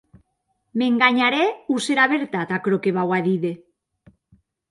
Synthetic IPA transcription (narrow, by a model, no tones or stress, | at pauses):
meŋɡaɲaɾeuseɾaβeɾt̪at̪akɾokeβawaðiðe